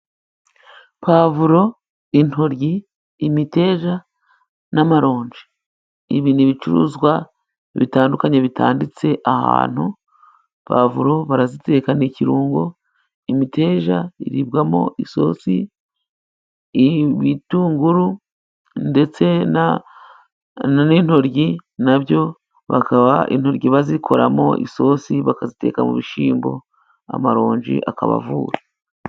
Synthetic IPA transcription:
paːvuɾo̞ | in̥hoɾjiː | mite̞ːʒa | namaɾo̞ːɲd͡ʒi | iβiniβit͡ʃuɾṵːzɡwa | eβitaːndukaɲeβitʰa̰ːndit͡se̞ʔaha̰ːn̥hu | pa̰vuɾo̞βaɾazite̞ːkaneciɾuːŋɡo | imite̞ːʒaiɾibɡamo̞̰ʔiso̞̰si | βituːŋɡuɾu | nde̞t͡se̞na | nin̥ho̞ɾɟinaβɟo̞ | βakaβaʔḭn̥ho̞ɾɟiβazikʰo̞ɾamo̞ʔiso̞ːsiβakazite̞̰ːkamṵβiʃiːmbo̞̰ | a̰maɾo̞ːɲd͡ʒḭʔakaβa̰vuːɾa

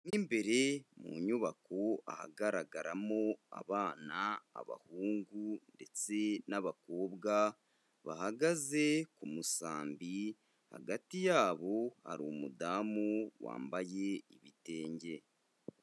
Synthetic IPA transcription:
niːmbe̞ɾe̞mṵɲuβako̞a̰ha̰ɡaɾaɡaɾamo̞a̰βaːna̰ːβa̰huːŋɡunde̞t͡se̞naβako̞ːbɡa | βahaɡaze̞kumusaːmbi | ha̰ɡatijaːβo̞ha̰ɾumudaːmuwa̰ːmbaje̞iβite̞ːɲɟe̞

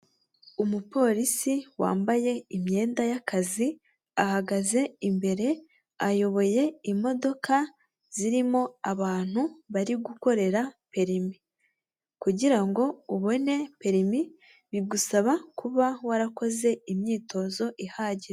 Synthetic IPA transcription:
umupo̞ɾisiwa̰ːmbaje̞imɲe̞ːndajakazi | ahaɡaze̞imbe̞ɾe̞ | ajo̞βo̞je̞imo̞do̞ka | z̥iɾimo̞aβaːn̥huβaɾiɡuko̞ɾe̞ɾape̞ɾimi | kuɟiɾaŋɡo̞uβo̞ne̞pe̞ɾimi | βiɡusaβakuβawaɾako̞ze̞imɲiːtʰo̞zo̞ʔihaːɟiɾe

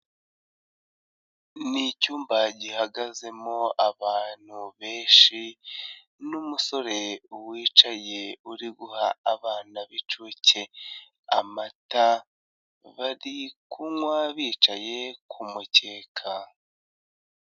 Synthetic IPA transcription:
nicuːmbaɟihaɡaze̞mo̞aβaːn̥huβe̞ːʃi | numuso̞ɾe̞uwiːt͡ʃaje̞uɾiɡuhaːβaːnaβit͡ʃuːce̞ | amata | βaɾikuŋwaβiːt͡ʃaje̞kʰumuce̞ːkʰa

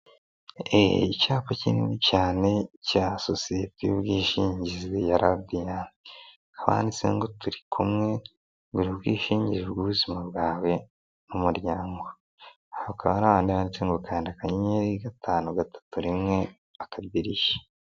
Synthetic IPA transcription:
ḛicaːpacinḭnicaːne̞casosijetijubɡiːʃiːɲɟizejaɾadija | aβa̰ːndit͡se̞̰ŋɡo̞tuɾikʰumŋe̞ | ɡuɾibɡiːʃiːɲɟiɾebɡuβuzimabɡaːwe̞ | numuɾjaːŋɡo̞ | aokaβaɾaβaːndiaβaːndit͡seŋɡokaːndiakaɲiɲeɾiɡatʰaːnuɡatḁtuɾimŋe̞ | akabbiɾiʃe̥

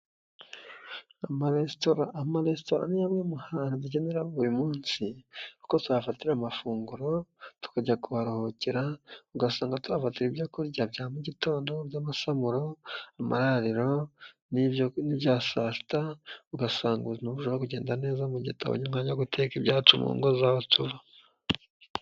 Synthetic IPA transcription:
amaɾestoɾaamaɾestoɾa̰nijamŋemuhaːnadiɟe̞neɾaβuɾimuːnsikukotuafatiɾamafuːŋɡuɾo̞tu̥kaɟakuβaɾoho̞ciɾauɡasaːŋɡatuafatiɾibjokuɾɟabjaːmuɟito̞ːndo̞bjamasamuɾo̞ama̰ɾaɾiɾo̞ | nioniβjasasi̥tauɡasaːŋɡuzinuβuʒoɾokuɟe̞ːndane̞ːzamuɟḭtʰa̰βo̰ɲumhaɲaɡutʰekibɟaːt͡ʃumṵːŋɡozawotuβa

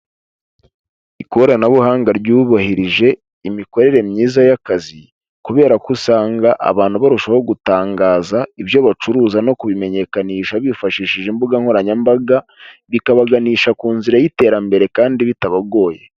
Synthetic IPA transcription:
ikoɾanaβuhaːŋɡaɾɟuːβahiɾiʒe̞ | imiko̞ɾe̞ɾe̞mɲiːzajakazi | kuβe̞ːɾakusaːŋɡaʔa̰βaːnhuβaɾuʃaho̞ɡutaːŋɡaːzaiβjo̞βat͡ʃuɾuːzano̞kuβime̞ɲe̞kaniːʃaβifaʃiːʃiʒimbuɡaŋho̞ɾaɲambaɡaβikaβaɡaniːʃakuːnziɾajite̞ːɾambe̞ɾe̞kaːndiβitaβaɡo̞ːje̞

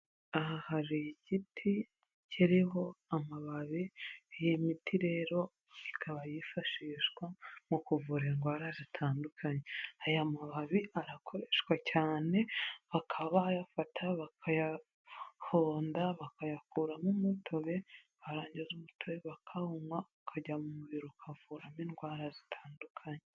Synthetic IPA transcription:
ahahaɾijiɟitʰi | ciɾiho̞amaβaβijimitiɾe̞ːɾo̞ | ikʰaβajifaʃiːʃwamukuvuɾeŋɡwaɾazitʰaːndukʰaɲeajamaβaβiʔaɾakʰo̞ɾeʃwacaːne̞βakʰaβajafatʰaβakʰaja | ho̞ːndaβakajakuːɾamumutʰo̞βe̞ | βaɾaːɲɟezumutʰoβeβakʰahumwaβkʰaɟamumuβiɾokʰavuɾamiŋɡwaːɾazi̥tʰaːndukʰaɲe

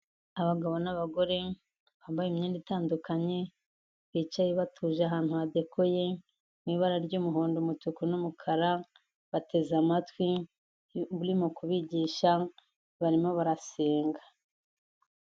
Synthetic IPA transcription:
aβaɡaβo̞naβaɡo̞ɾe̞ | βambajemɲeːnditaːndukaɲe̞ | βiːt͡ʃajeβatʰuːʒaɦaːn̥huβade̞kʰoje̞ | niːβaɾaɾɟuːmuɦo̞ːndomutukunumukʰaɾa | βatʰe̞zamatwi | βuɾimokuβiɟiːʃa | βaɾimo̞βaɾase̞ːŋɡa

